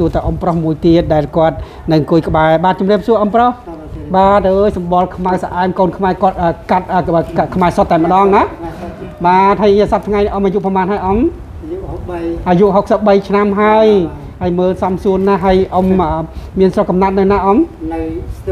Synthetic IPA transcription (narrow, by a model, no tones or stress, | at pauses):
suət̪aʔomprohmuəjt̪iət̪̚ɗaɛlkŏət̪̚ | nɨŋkuəjkə̆ɓaɛɓaːt̪̚t͡ɕumriəp̚suəʔomproh | ɓaːəʔəːjsɑmɓɑlkʰmawsaʔaɛmkoːnkʰmaɛkŏət̪̚ʔəːkat̪̚ʔəːəːkkʰmaɛsot̪ːaɛmə̆ɗɑːŋna | ɓaːt̪̚həjsɑp̚t̪ʰŋajniʔomʔaːjuʔpəmaːnhaəjʔom | ʔaːjuʔɦok̚səp̚ɓəjt͡ɕʰnamɦaəj | həəjməːlsɑmsuənnaɦəəjʔoməmiənsrokːɑmnat̪̚nɨwnaʔom